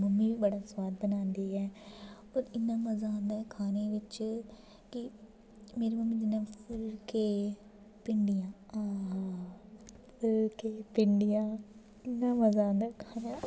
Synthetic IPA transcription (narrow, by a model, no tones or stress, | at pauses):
məmːĩːʋiːbəɽaːswaːd̪̚bənãːnd̪eːɛː | oːɾɪnːãːməzãːnd̪aːkʰaːneːʋɪt͡ʃ | kɪ | meːɾiːməmːĩːd͡ʒ̪ɪnːãːpʰɪɾkeː | pɪɳɖɪjãːaɦ | pʰɪɾkeːpɪɳɖɪjãː | ɪnːãːməzãːnd̪aːkʰaːnaː